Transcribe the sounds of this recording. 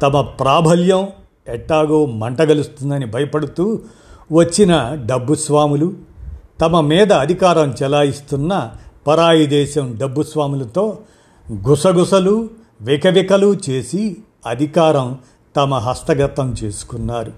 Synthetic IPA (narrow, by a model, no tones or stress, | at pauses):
t̪ɐmɐpɾaːbʱɐljɐm | ɛʈːaːɡoːmɐɳʈɐɡɐlust̪und̪ɐnibʱɐjɐpɐɽut̪uː | ʋɐt͡ʃːinɐɖɐbːusʋaːmulut̪ɐmɐmiːd̪ɐːd̪ʱikaːɾɐmt͡ʃɛlaːjist̪unːɐpɐɾaːjid̪ɛːʃɐmɖɐbːusʋaːmulɐt̪o̞ː | ɡusɐɡusɐlu | ʋikɐʋikɐlut͡ʃeːsi | ɐd̪ʱikaːɾɐm | t̪ɐmɐɦɐst̪ɐɡɐt̪ːɐmt͡ʃe̞ːsu̥kunːaːɾu